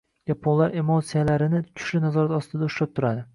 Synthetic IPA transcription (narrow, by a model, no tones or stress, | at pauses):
japʰonlaɾe̞mot̪sijalaɾɪnɪt̪ʰʊ̥ʃlɪnazɒɾat̪ɒst̪ɪd̪aʊʃlap̚t̪ʰʊɾad̪ɪ